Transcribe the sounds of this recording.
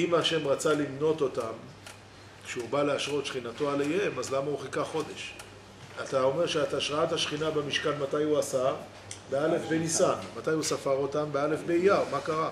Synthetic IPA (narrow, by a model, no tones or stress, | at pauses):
imaʃe̞mʁat͡salimno̞t̪o̞tam | kʃeubaleaʃʁo̞t̪ʃχinato̞alejemazlamauχikaχo̞d̪e̞ʃ | at̪ao̞me̞ʁʃeat̪aʃʁaathaʃχinabamiʃkanmatajhuasa | beale̞fbenisanmat̪ajusafaʁo̞tambeale̞fbeijaʁmakaʁa